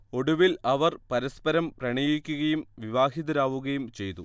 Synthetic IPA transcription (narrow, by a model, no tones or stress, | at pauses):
o̞ɽuʋilɐʋɐrpɐɾɐspɐɾɐmprɐɳijikʲːuɣɐjumʋiʋaːɦiðɐɾaːʋuɣɐjumt͡ɕe̞jt̪u